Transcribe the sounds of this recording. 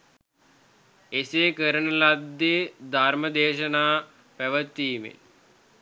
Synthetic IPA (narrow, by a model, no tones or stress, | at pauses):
eseːkəɾənəlad̪ːed̪ʱaɾməd̪eːʃənaː | pæʋət̪ːiːmḛ